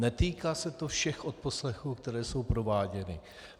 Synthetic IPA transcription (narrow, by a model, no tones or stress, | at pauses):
nɛt̪iːkaːsɛt̪o̞fʃɛxʔot̪̚po̞slɛxuːkt̪ɛɾɛːso̞wpɾo̞vaːɟɛnɪ